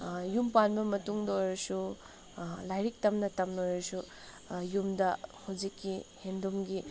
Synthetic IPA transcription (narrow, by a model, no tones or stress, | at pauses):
jumpanbɐmɐtuŋdojɾɐsu | lajɾik̚tɐmnɐtɐmnojɾɐsu | jumdɐhawd͡ʒikːihendumɡi